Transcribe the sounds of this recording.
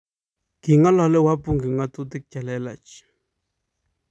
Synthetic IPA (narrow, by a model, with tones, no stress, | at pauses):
kɪ˨ŋa˦la˨le˦wa˦pʊ˦ŋɡɪ˨ŋa˦t̪u˦t̪ɪ˦k̚ca˨le˦la̰˨t͡ʃ